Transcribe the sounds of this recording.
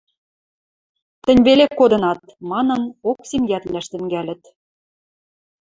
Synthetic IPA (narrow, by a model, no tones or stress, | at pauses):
t̪ɘ̆nʲβelekːod̪ɤ̆nɑt̪mɑnɤ̆noksemjæt̪læʃt̪ɘ̆ŋɡælʲɘ̆t̪